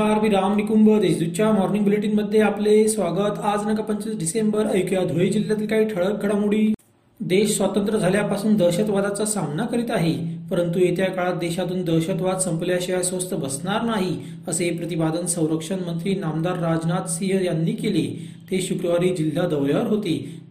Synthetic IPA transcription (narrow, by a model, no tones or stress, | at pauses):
aɾmiːɾamnikumbəd̪eɕd̪ut͡ɕjamɔɾniŋɡbileʈ̬iːnməd̪ʱːjeaplesʋaɡət̪ad͡znəkapəɲt͡ɕiːsɖisembəɾəjukjad̪ʱoid͡ʑil̤ːjat̪iːlkaɦiːʈʰəɭək̚ɡʱəɽamuɽiː | d̪eɕsʋat̪ənt̪ɾəd͡zʱaljapasuːnd̪əɕət̪ʋad̪at͡sasamnakəɾiːt̪aɦepəɾənt̪uet̪jakaɭat̪̚d̪eɕat̪uːnd̪əɾɕət̪ʋad̪səmpəljaɕəjasʋəst̪əbəsnaɾnaɦi | əsepɾət̪ipad̪ənsə̃w̃ɾəkʂənmənt̪ɾiːnamd̪aɾːad͡znat̪siɦjanːiːkele | t̪eɕukɾəʋaɾiːd͡ʑil̤ːad̪əʋɭjaʋəɾɦot̪iː